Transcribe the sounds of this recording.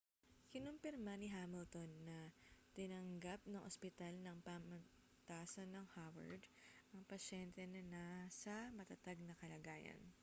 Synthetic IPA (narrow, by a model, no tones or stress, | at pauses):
kɪnʊmpɪɾmanɪɦaːmɪlt̪onːɐt̪ɪnɐŋɡap̚nɐŋʔospɪt̪alnɐŋpamɐ | t̪aːsɐnːɐŋhawɐ̰ɹd̪ʔɐŋpɐʃɛnt̪ɛnɐnasɐmɐt̪ɐt̪aɡ̚nɐkɐlɐɡaːjɐ̰n